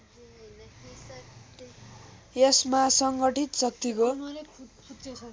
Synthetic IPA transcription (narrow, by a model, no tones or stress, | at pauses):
jesmasʌŋɡʌʈit̪sʌk̚t̪iko